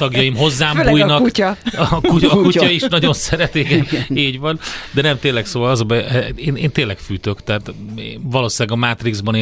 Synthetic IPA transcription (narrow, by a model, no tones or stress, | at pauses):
t̪ɒɡjɒjimɦo̞zːaːmuːjnɒkuckuɒkuɒiʃnɒɟo̞nsɛɾɛt̪iɡɛneːɟvɒnd̪ɛnɛmt̪eːlːɛksoːvɒlɒzɒbɛɛeːneːnt̪eːnlːɛkfyːt̪ø̞kt̪ɛɦːt̪ːvɒloːsilɛɡɒmaːt̪riɡzbɒneː